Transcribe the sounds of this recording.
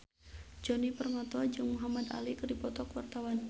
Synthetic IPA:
d͡ʒɔnipərŋɔt̪ɔd͡ʒɨŋmuɦamad̪a̰likɨrdipɔt̪ɔkwa̰rt̪awan

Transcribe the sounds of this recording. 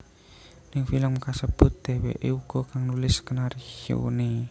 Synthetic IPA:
nɪŋfiləŋmkasəb̥ʊ̤t̪̚d̪̥e̤wḛʔeuɡ̥ɔ̤kaŋnulɪskənaɾihṵne

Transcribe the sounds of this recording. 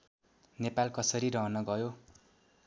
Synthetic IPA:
nepalkʌsʌɾiɾʌɦʌnʌɡʌjo

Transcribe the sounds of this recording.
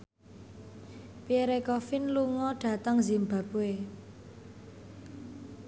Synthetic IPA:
pieɾekɔfɪnluŋɔɖ̥ä̤t̪əŋzimba̤p̚we

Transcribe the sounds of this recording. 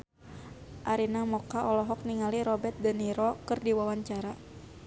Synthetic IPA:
ʔaɾinamɔkaʔɔlɔɦɔk̚niŋaliɾɔbɛt̪̚dəniɾɔkɨrdiwawaɲt͡ʃaɾa

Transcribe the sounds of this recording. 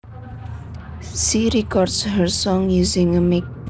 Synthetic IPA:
ʃiɹɛkɔɾdsɦəɹsɔ̃ŋjuzɪ̃ŋəmek̚

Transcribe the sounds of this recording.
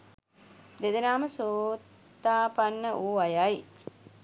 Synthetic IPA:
d̪ed̪ənaːməsoːt̪ːaːpanːəʔuːʋajaj

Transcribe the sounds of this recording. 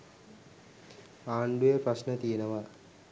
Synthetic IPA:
aːɳɖujeprasnət̪ijenəʋa

